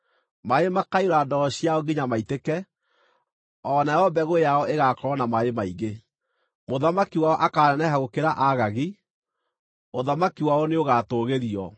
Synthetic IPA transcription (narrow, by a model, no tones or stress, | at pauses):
maemakaiɾadɔɔɕiaɔɡiɲamaitekɛ | ɔnaɔbɛɣojaɔʔeɣakɔɾɔnamaemaiɣe | moðamakiwaɔʔakaːɾɛnɛɦaɣokeɾaʔaɣaɣi | oðamakiwaɔneoɣatoɣeɾiɔ